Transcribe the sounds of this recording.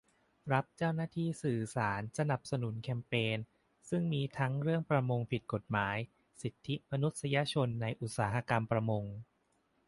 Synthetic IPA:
ɾa˦˥p̚t͡ɕaː˥˩wnaː˥˩t̪ʰiː˥˩sɯː˨˩saː˩˦nsa˧na˨˩p̚sa˧nu˩˦nkʰɛ˧mpeː˧n | sɯ˥˩ŋmiː˧t̪ʰa˦˥ŋɾɯ˥˩əŋpɾa˧mo˧ŋpʰi˨˩t̪̚ko˨˩t̪̚maː˩˦j | si˨˩t̪ʰːi˦˥ma˧nu˦˥t̪̚sa˧ja˧t͡ɕʰo˧nːa˧jʔu˨˩t̪̚saː˩˦ɦa˧ka˧mpɾa˧mo˧ŋ

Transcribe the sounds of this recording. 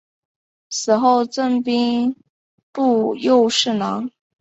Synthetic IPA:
sɹ̩˨˩xo˥˧ʊʈ͡ʂə˥˩ŋpi˥ŋ | pu˥˧jo˥˧ʊʂɻ̩˥˩nɑ˧˥ŋ

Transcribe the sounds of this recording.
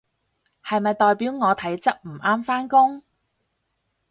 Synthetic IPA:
hɐ˨jmɐ˨jt̪ɔː˨jpiː˨˥wŋɔː˨˧t̪ʰɐ˨˥jt͡sɐ˥k̚m̩˨˩ʔaː˥mfaː˥nkʊ˥ŋ

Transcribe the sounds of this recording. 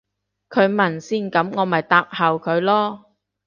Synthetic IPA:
kʰɵ˨˧ɥmɐ˨˩nsiː˥˩nkɐ˨˥mŋɔː˨˧mɐ˨jt̪aː˧p̚hɐ˨wkʰɵ˨˧ɥlɔː˥

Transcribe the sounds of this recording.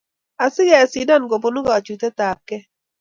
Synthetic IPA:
a˨sɪ˦ɡɛ˨a˨si˨da˦˨nɡo˨po˨nʊ˦ɡa˨t͡ʃu˨tɛ˦ta˨kːɛ˦

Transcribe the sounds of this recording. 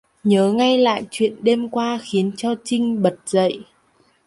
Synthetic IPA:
ɲəː˨˦ŋa˧jla̰ː˧˨jt͡ɕwḭ˧˨ənɗe˧mkwaː˧xi˨˦ənt͡ɕɔ˧t͡ɕï˧ŋ̟ɓə˨˩t̚z̥ə̰˧˨j

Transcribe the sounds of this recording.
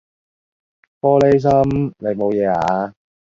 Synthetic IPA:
fɔː˥le˥js̬ɐ˥mne˨˧jmo˨˧wjɛː˨˧a̰ː˨˧

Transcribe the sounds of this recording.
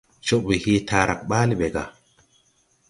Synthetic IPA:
t͡ʃo˦ʔbi˨hi˦tʰa˦ɾʔa̰˨kɓa˦li˦ɓe˨ɡa̰˨

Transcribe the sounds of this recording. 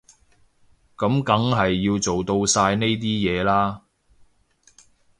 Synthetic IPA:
kɐ˨˥mkɐ˨˥ŋɦɐ˨jːiː˧wt͡so˨wt̪o˧wsaː˧jne˥jt̪̬iː˥jɛː˨˧laː˥

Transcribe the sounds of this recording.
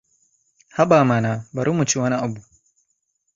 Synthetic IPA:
ha˦ba˨ma˨na˨ba˨ɾu˦mu˨t͡ʃi˦wɐ˦na˦a˨bu˨

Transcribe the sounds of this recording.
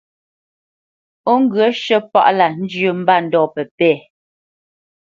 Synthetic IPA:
o˦ŋ˦ɡə˦ʃə˦pa̰˦˨ʔla˨n̩˦d͡ʒʉ˨m̩˦ba˦˨n̩˨dɔː˨pɛ˨pɛː˦˨

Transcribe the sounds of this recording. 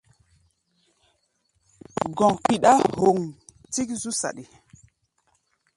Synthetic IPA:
ɡɔ̃˨ŋpi˨ɗa˦ho˨ŋ | ti˦k̚zu˦sa̰˨ɗi˨

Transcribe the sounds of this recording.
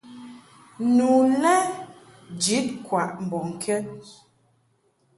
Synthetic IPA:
nu˨nɛ˦ | d͡ʒi˨˦t̚kwa˨ʔm̩˨bɔ˨ŋ˨kʰɛ˦

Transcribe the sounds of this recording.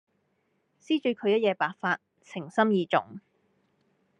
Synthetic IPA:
siː˥t͡ʃy˨˧kʰɵ˨˧ɥjɐ˥t̚jɛː˨˧paː˨˥k̚faː˧t̚ | t͡sʰɪ˨˩ŋsɐ˥mjiː˨˧t͡sʊ̰˨˩ŋ

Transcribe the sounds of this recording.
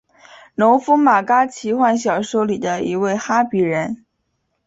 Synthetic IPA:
no˧˥ʊfu˥ma˨˩ka˥t͡ɕʰi˧˥xwa˥˩nɕjɑ˨˩ʊʂo˥ʊli˨˩d̪ə˦i˧˥we˥˩ɪxa˥pi˨˩ɻə˧˥n

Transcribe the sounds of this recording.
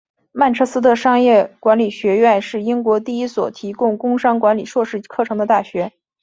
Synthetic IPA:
ma˥˩nʈ͡ʂʰɤ˥sɹ̩˥d̪ə˧˨ʂɑ˥ŋjɛ˥˩kwa˧˥nli˨˩ɕɥɛ˧˥ɥɛ˥˧nʂɻ̩˥˩i˥ŋkwɔ˧˥t̪i˥˩i˥swɔ̰˨˩t̪ʰi˧˥kʊ˥˩ŋkʊ˥ŋʂɑ˥ŋkwa˧˥nli˨˩ʂwɔ˥˧ʂɻ̩˥˧kʰɤ˥˩ʈ͡ʂʰɤ˧˥ŋd̪ə˧t̪a˥˩ɕɥɛ˧˥

